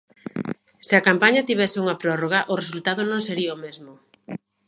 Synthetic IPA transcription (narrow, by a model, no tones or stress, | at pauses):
sɪakampaɲat̪iβ̞ɛsɪuŋɐpɾɔroɣaʔʊresult̪aðʊnõŋseɾiaomezmʊ